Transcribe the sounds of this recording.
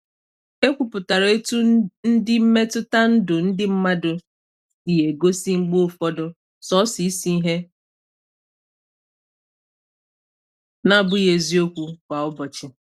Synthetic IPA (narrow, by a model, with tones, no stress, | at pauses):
e˦kʷu˨pʊ˨ta˨ɾe˦tu˦n̩˦dɪ˦m̩˦me˦tʊ˦ta˦n̩˦dʊ˨n̩˦dɪ˦m̩˦ma˦dʊ˨ | i˨je˨ɡo˦si˦ŋ͡m̩˦ɡ͡bo˦˨fɔ˦dʊ˦ | sɔ˦si˨i˦si˦i˦ɦe˦ | na˦˨bʊ˦je˨zi˦o˦kʷu˦kʷa˨ʊ˦bɔ˨t͡ʃɪ˨